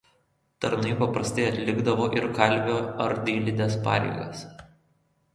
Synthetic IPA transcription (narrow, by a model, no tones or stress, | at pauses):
t̪ɐɾnɐɪpɐpɾɐst̪ɐɪɐt̪ʲlʲɪɡd̪ɐʋoːʔɪɾkɐlʲʋʲoːɐɾd̪ʲiːlʲɪd̪ʲeːspɑ̰ːɾʲɛ̰ɪɡɐs